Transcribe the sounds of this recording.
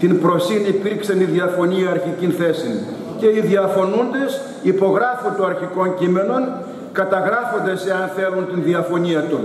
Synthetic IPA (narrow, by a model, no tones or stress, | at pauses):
t̪inpɾo̞sinipiɾksɐniðiɐfo̞niɐːɾçicinθe̞sin | ce̞iðiɐfo̞nund̪e̞s | ipo̞ɣɾɐfunt̪oɐɾçiko̞ncime̞no̞n | kɐt̪ɐɣɾɐfo̞nd̪e̞se̞ɐnθe̞lunt̪inðiɐfo̞niɐt̪un